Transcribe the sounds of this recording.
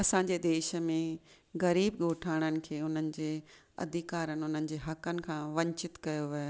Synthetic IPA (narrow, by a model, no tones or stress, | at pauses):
ɐsãːɲ̆d͡ʑeːd̪eːʃəmẽ | ɣɐɾiːbɠoːʈʰaːɽ̃ənɪ̆kʰeːʊn̤ənɪ̆d͡ʑeː | ɐ̰d̪ʱɪkaːɾənɪ̆ʊn̤ənɪ̆d͡ʑeːɦɐkənɪ̆kʰãːʋɐ̃ɲt͡ɕɪt̪kɐjoʋio